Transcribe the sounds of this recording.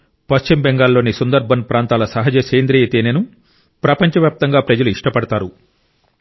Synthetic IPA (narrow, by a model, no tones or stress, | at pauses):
pɐʃt͡ʃimbɛŋɡaːlːo̞ːnisund̪ɐɾbʱɐnpɾaːnt̪aːlɐsɐɦɐd͡ʒɐseːnd̪ɾijet̪eːnenu | pɾɐpɐɲt͡ʃɐʋjaːp̚t̪ɐŋɡaːpɾɐd͡ʒɐluiʂʈɐpɐɽɐt̪aːɾu